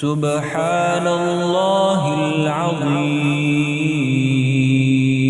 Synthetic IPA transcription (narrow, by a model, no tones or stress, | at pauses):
sʊb | ħaː | nallːaːɦɪlʕɑðˤiː | m